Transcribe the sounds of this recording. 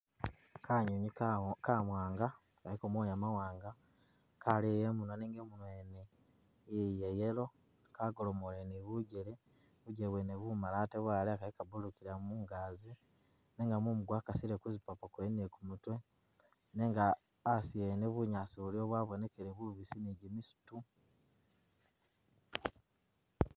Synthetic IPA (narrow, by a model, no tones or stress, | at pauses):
kʰaɲuɲikamwaːŋɡa | kalikomwojamawaːŋɡa | kalejemunoneːŋɡemunwene | ijejelo̞ | kaɡolomoleniβuɟele | βuɟeβweneβumalateβwaːleakalikabulukiɾamuːŋɡazi | neːŋɡamumuɡwakasiɾekuzipapakwenekumutwe̞ | neːŋɡaː | sieneβuɲaːsiβulio̞βwaβo̞ne̞keɾeβuβisiniɟimisu̥tu